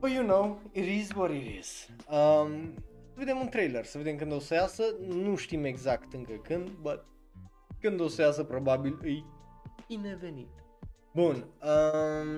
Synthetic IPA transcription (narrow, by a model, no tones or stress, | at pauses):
ojunowiɾizwɔɾiɾḭz̥əmsəve̞d̪e̞munt̪ɾejlersəve̞d̪e̞mkɨnd̪osəjasənuʃt̪ime̞ɡzakt̪ɨŋkəkɨnd̪bət̪̚ | kɨnd̪osəjas̬əpɾobabilɨjinevenḭt̪ | bunə